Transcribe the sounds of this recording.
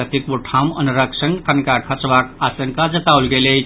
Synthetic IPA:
at̪ikʋuʈʰamə̰nɾəkʂənk̪ʰənkaɾkʰat͡sʋakasəŋkad͡zət̪aulɡele

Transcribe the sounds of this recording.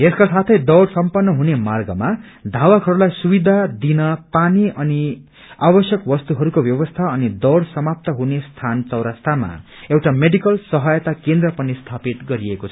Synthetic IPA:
eskasat̪ʰʌjd̪ʌwɽsʌmpʌnːʌɦunemarɡʌma | d̪ʱawakɦʌɾulajsubid̪ʱad̪inʌpaniʔʌni | abʌsjʌkbʌst̪uɦʌɾukobjʌbʌst̪ʰaʌnid̪ʌwɽsʌmap̚t̪ʌɦunest̪ʰant͡sʌwɾast̪ʰama̰ | ewʈameɖikʌlsʌɦʌjʌt̪akend̪rʌpʌnist̪ʰapit̪ɡʌɾiekot͡sʰʌʌ

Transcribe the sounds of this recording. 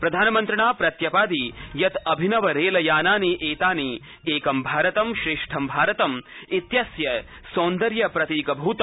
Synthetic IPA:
pɾɐd̪ʱaːnɐmɐnt̪ɾɐɳaːpɾɐt̪jɐpaːd̪ijɐt̪ɐbʱinɐʋɐɾeːlɐjaːnaːniʔeːt̪aːni | eːkɐmbʱaːɾɐt̪ɐmʃɾɪʂʈʰɐmbʱaːɾɐt̪ɐmit̪jɐsjɐ | soːnd̪ɐɾjɐpɾɐt̪iːkɐbʱuːt̪

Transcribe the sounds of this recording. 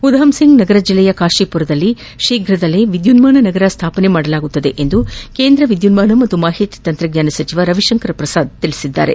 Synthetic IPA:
ud̪ɦɐmsiŋɡnɐɡɐɾɐd͡ʒilːɛjɐkaːʂipuɾɐd̪ɐlːi | ʃiːɡɾɐd̪ɐlːeʋid̪junmaːɳɐnɐɡɐɾɐst̪ʰaːpɐnemaːɽɐlaːɡut̪ːɐd̪e̞ʔend̪ukeːnd̪ɾɐʋid̪junmaːɳɐmɐt̪ːumaːɦit̪it̪ɐnt̪ɾɐɡɲaːnɐsɐt͡ʃiʋɐɾɐʋiʃɐŋkɐɾɐpɾɐsaːd̪̚t̪iɭisid̪ːa̰ːɾe̞̰

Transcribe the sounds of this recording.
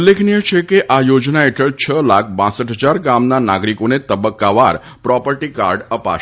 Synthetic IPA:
ulːekʰnijet͡ʃʰekeʔajod͡ʒnaeʈʰəɭt͡ʃʰəlakʰbãsəʈɦəd͡ʒaɾɡamnana̰ɡɾikonet̪əbəkːaʋaɾ | pɾɔpəɾʈika̰ɾɖəpa̰ʃ

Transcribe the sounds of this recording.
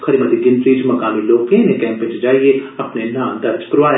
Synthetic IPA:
kʰɐɾimɐt̪iɡɪ̃nt̪ɾiːd͡ʒmɐkaːmiloːkẽnẽkɛ̃ːmpẽːt͡ʃd͡ʒaːieɐpnenãːd̪ɐɾd͡ʒkɾʊʋaːj

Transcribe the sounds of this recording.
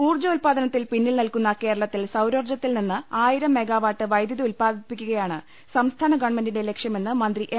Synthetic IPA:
kuːrd͡ʑɐulpaːd̪ɐnɐt̪ːilpinːilnilkunːɐke̞ːɾɐɭɐt̪ːilsɐwɾord͡ʑɐt̪ːilninːɨaːjiɾɐmːe̞ɡaːʋaːʈːɨʋɐjd̪jɐðɐulpaːd̪ipːikʲːuɣɐjaːɳɨ | sɐmst̪ʰaːnɐɡɐɳmendinde̞le̞kʂjɐme̞nːɨmɐnd̪riʔe

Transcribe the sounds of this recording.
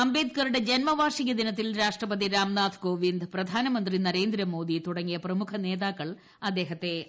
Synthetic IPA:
ɐmbe̞ːd̪̚kɐɾuɽe̞d͡ʑenmɐʋaːrʂiɣʲɐd̪inɐt̪̬ːilɾaːʂʈrɐpɐðiɾaːmnaːd̪ʰʱko̞ːʋind̪prɐd̪ʱaːnɐmɐnd̪rinɐɾe̞ːnd̪ɾɐmo̞ːd̪it̪uɽɐŋːijɐprɐmukʰɐne̞ːðaːkːɐɭ | ɐd̪ːe̞ːɦɐt̪ːe̞

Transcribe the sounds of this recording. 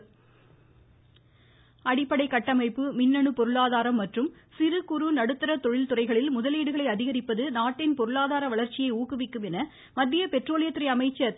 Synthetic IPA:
ɐɽɪpːɐɽɐɪkːɐʈːɐmɐɪpːɯmɪnːɐɳɯpɔɾɯɭaːðaːɾɐmːɐʈrɯmsɪɾɯkʊɾunɐɽɯt̪ːɯɾɐt̪ɔɻɪlt̪ʊrɐɪɣɐɭɪlmʊðɐliːɽɯɣɐɭɐɪɐðɪɣɐɾɪpːɐðɯnaːʈːɪnpɔɾɯɭaːðaːɾɐʋɐɭɐɾt͡ʃːɪjɐɪuːkɯʋɪkːɯmɛnɐ | mɐd̪ːijɐpɛʈroːlɪjɐt̪ːɪɾɐɪɐmɐɪt͡ʃːɐ

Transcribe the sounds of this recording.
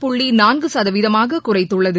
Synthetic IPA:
pʊɭːinaːnɡɯsɐðɐʋɪðɐmaːɣɐkʊrɐɪt̪ːɯɭːɐðɯ

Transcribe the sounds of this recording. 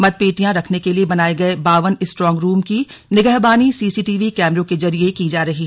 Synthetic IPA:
mɐd̪̚peːʈijãɾɐkʰnekeliebɐnaːeɡɐebaːʋənɪsʈɾɔ̃ːŋɡɾuːmki | nɪɡəɦbaːnisiːsiːʈiːʋikɛːmɾõkezɐɾijekid͡ʒaːɾɐɦi

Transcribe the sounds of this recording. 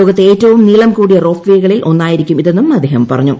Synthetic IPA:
oːɡɐt̪ːeeːtːɐʋumniɭɐmkuːɽijɐro̞ːfʋeːɣɐɭilʔo̞nːaːjiɾikʲːumiðenːumɐd̪ʱeːɦɐmpɐrɐɲːu

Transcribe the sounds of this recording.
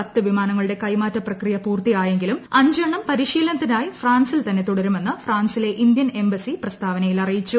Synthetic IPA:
ɐt̪ːɨʋimaːnɐŋːɐɭuɽe̞kɐjmaːtːɐprɐkrijɐpuːrt̪ijaːje̞ŋɡilumɐɲd͡ʑɐɳɐmpɐɾiɕiːlɐnɐt̪ːinaːjifraːnsilt̪ɐnːe̞t̪uɽɐɾume̞nːɨfraːnsile̞ʔind̪jɐne̞mbɐsiprɐst̪ʰaːʋɐnɐjilɐrijit͡ɕːu

